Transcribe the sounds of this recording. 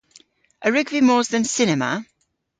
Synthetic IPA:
ʔəɹɪɡvimɔːzðə̃nsɪnɛmə̰

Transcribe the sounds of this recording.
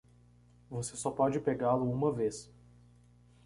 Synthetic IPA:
vosesɔpɔd͡ʒɪpeɡalʊũmɐves

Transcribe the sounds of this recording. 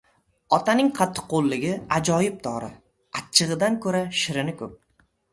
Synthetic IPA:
ɒt̪ʰanɪŋqʰɑt̪ʰːɨ̥qːolˠːɪɡʲɪad͡ʒɒjɪp̚d̪ʰɒɾɪ̰ | at͡ʃʰːɨʁɨd̪ankʰɵɾaʃɪɾɪnɪkʰɵp̚

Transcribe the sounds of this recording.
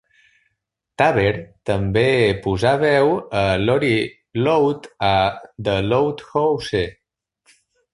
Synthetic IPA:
t̪aβeɾt̪əmbepuzaβɛwəlɔɾi | lowt̪ad̪əlowt̪xowse

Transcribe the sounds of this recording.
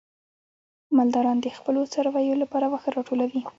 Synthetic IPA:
mald̪ɑɾɑnd̪əxpəlot͡saɾwɑjolapɑɾawaxɾɑʈolawi

